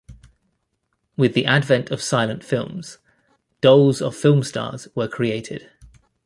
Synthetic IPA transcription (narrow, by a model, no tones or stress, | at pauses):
wɪðiʔadvɛ̃ntʰəv̥saɪlə̃ntfɪlˠmz̥ | d̥ʌʊlˠzə̰v̥fɪlˠmstʰɑ̰ːz̥wəkʰɹ̥ieɪtʰɪ̰d̥